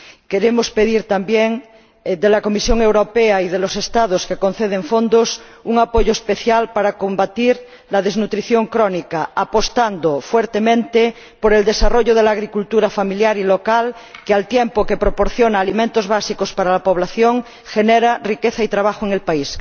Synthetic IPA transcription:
keɾemospeðiɾt̪ambjeŋ | d̪elakomisjoŋewɾopeaiðelosest̪aðoskekon̟θeð̞eɱfond̪os | uŋapoʝoespeθjalpaɾakombat̪iɾ | laðeznut̪ɾiθjoŋkɾonikaapost̪and̪ofweɾt̪emẽnt̪e | poɾeld̪esaroʝoð̞elaɣɾikult̪uɾafamiljaɾilokalkealt̪jempokepɾopoɾθjonaːlimẽnt̪ozβasikospaɾalapoβ̞laθjoŋ | xeneɾarikeθait̪ɾaβ̞axoeŋelpais

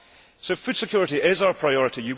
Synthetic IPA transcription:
soʊfʉd̥sɪkʰj̥ɔːɹɪʔiʔɪzaʊə˞pʰɹ̥aɪɔɹɪʔijə

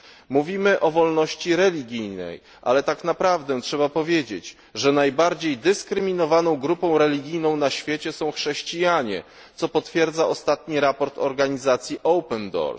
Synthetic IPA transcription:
muvʲimɘʔɔvɔlnɔɕt͡ɕiɾɛlʲiɡʲijnɛ̰j | ʔa̰lɛt̪aknapɾavd̪ɛtʂɛbapɔvʲjed͡ʑet͡ɕ | ʐɛnajbaɾd͡ʑejd̪ɘskɾɘmʲinɔvanɔ̃w̃ɡɾupɔ̃w̃ɾɛlʲiɡʲijnɔ̃w̃naɕfʲjet͡ɕɛsɔ̃w̃xʂɛɕt͡ɕijaɲɛ̰ | t̪sɔpɔt̪fʲjɛɾd̪zaʔɔst̪at̪ɲiɾapɔɾt̪ɔ̰ɾɡaɲizat̪sʲjiʔɔwpɛnd̪ɔ̰ɾs

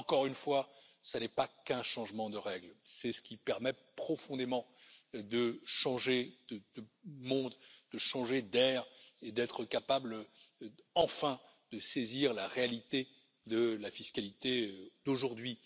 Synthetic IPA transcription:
ɑ̃kɔʁynfwasanɛpakɛ̃ʃɑ̃ʒmɑ̃d̪əʁɛɡlsɛsə̥kʲipɛʁmɛpχɔfɔ̃d̪emɑ̃d̪əʃɑ̃ʒed̪əd̪̥əmɔ̃d̪d̪̥əʃɑ̃ʒed̪ɛːʁed̪ɛt̪χəkapabl | ɑ̃fɛ̃ | d̪̥əseziʁlaʁealit̪e | d̪əlafiskalit̪ed̪̥oʒuʁd̪ɥi

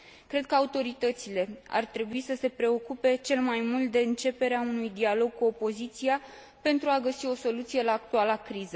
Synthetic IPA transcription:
kɾe̞d̪̚kəaut̪o̞ɾit̪ət̪sile̞a̰rt̪ɾe̞buisəse̞pɾe̞o̞kupe̞t͡ʃe̞lmajmult̪̚d̪e̞ɨnt͡ʃe̞pe̞ɾeaunujd̪ialo̞ɡ̚kuo̞po̞zit̪sia | pe̞nt̪ɾuaɡəsio̞so̞lut̪sije̞laːk̚t̪ualakɾizə

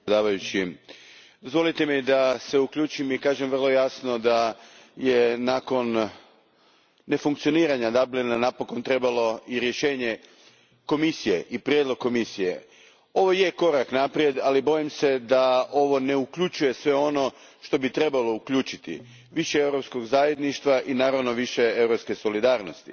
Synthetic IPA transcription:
d̪aːʋajut͡ɕi | d̪ozʋo̞lˠit̪e̞mid̪ase̞ukʎʲuːt͡ʃimikaːʒemʋr̩lˠo̞jasno̞d̪a | jenaːko̞n | e̞fuŋkt̪sijo̞niːɾaɲad̪ablinanapo̞ko̞nt̪ɾe̞balo̞iɾje̞ʃe̞ːɲe̞ | ko̞misijḛʔipɾʲijed̪lˠo̞ɡ̚kːo̞misije̞̰ | o̞ʋo̞jeko̞ɾaknapɾije̞d̪alibo̞jimse̞d̪ao̞ʋo̞ne̞ukʎut͡ʃuje̞sʋe̞o̞no̞ | ʃt̪o̞bit̪ɾe̞balo̞ukʎuːt͡ʃit̪ḭ | ʋiʃeewɾo̞psko̞ɡzaːje̞d̪niʃt̪ʋaʔinaːɾaʋno̞ʋiʃe̞e̞wɾopske̞so̞lid̪aːɾno̞st̪ḭ

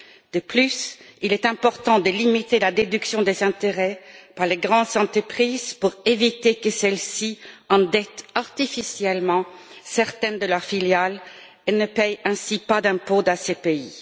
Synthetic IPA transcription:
d̪̥əplysilɛt̪ɛ̃pɔʁt̪ɑ̃d̪əlimit̪elad̪ed̪yksjɔ̃d̪ezɛ̃t̪eʁɛpaʁleɡʁɑ̃d̪zɑ̃t̪χəpχizpuʁevit̪ekəsɛlsiɑ̃d̪ɛt̪aʁt̪ifisjɛlmɑ̃sɛʁt̪ɛnd̪əlœʁfiljal | enəpɛjɛ̃sipad̪ɛ̃pod̪ãsepei

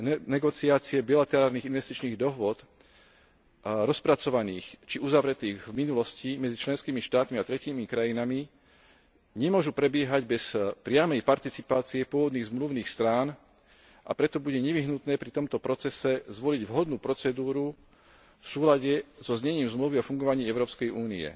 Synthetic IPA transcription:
nɛɡɔt͡siaːt͡siɛbilat̪ɛɾaːlniːɣinʋɛst̪it͡ʃniːɣd̪ɔɦʊɔt̪ | ɾɔspɾat͡sɔʋaniːxt͡ʃiuzaʋɾɛt̪iːɣvminulɔscimɛd͡zit͡ʃlɛnskiːmiʃt̪aːt̪miat̪ɾɛciːmikɾajinami | ɲɛmʊɔʒupɾɛbɪɛɦaɟbɛspɾɪamɛjpaɾt̪it͡sipaːt͡siɛpʊɔʋɔd̪niːɣzmluʊniːxst̪ɾaːn | ʔa̰pɾɛt̪ɔbuɟɛɲɛʋiɦnut̪nɛːpɾit̪ɔmt̪ɔpɾɔt͡sɛsɛzʋɔliɟʋɦɔd̪nuːpɾɔt͡sɛd̪uːɾu | fsuːlaɟɛzɔzɲɛɲiːmzmluʋiɔfuŋɡɔʋaɲiːɛʊɾɔːpskɛjʔuːniɛ̰

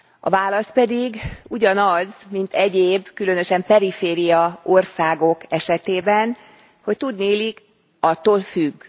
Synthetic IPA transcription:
ʔɒ̰vaːlɒst̪̚pɛd̪iɡuɟɒnɒzmint̪ɛɟeːbkylø̞nø̞ʃɛmpɛɾifeːɾijɒorsaːɡo̞kɛʃɛt̪eːbɛn | ho̞ct̪ud̪neːlik | ɒt̪oːlfyɡː

